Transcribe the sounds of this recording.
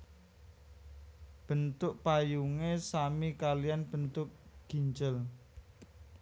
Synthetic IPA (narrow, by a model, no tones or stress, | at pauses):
b̥ə̤nt̪ʊʔpajuŋesamikalijanb̥ə̤nt̪ʊk̚ɡ̥i̤ɲd͡ʒəl